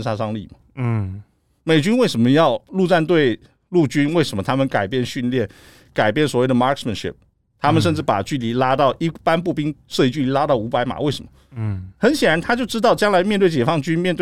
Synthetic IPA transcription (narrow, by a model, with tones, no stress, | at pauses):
nʂa˥˧ʂɑ˥˧ŋlḭ˥˩mɐ˨˩˥ | me˨˩ɪt͡ɕy˥nwe˥˩ɪʂə˧˥nmə˦jɑ˥˧ʊlu˥˧ʈ͡ʂa˥˧nt̪̬we˥˧ɪ | lu˥˩t͡ɕy˥nwe˥˩ɪʂə˧˥mə˧t̪ʰa˥mə˨nka˨˩ɪpjɛ˥˧nɕy˥˧nljɛ˥˩n | ka˨˩ɪp̬jɛ˥˩nswɔ˨˩we˥˩ɪd̪ə˩ma˥kmə˨nʂḭ˥˩p̚ | t̪ʰa˥mə˨nʂ̬ə˥˧nʈ͡ʂɻ̩˥˩pa̰˨˩t͡ɕy˥˩li˧˥la˥t̪ɑ˥˩ʊʔi˥˩pa˥npu˥˩pi˥ŋʂɤ˥˧i˧˥t͡ɕy˥˩li˧˥la˥t̪ɑ˥˩ʊu˧˥pa˧˥ɪma̰˨˩we˥˩ɪʂə˧˥˦mə˦xə˧˥nɕjɛ˨˩nɻa˧˥nt̪ʰa˥t͡ɕjo˥˩ʊʈ͡ʂɻ̩˥t̪ɑ˥˩ʊt͡ɕjɑ˥ŋla˧˥ɪmjɛ˥˧nt̪we˥˩t͡ɕjɛ˨˩fɑ˥˧ŋt͡ɕy˥nmjɛ˥˧nt̪w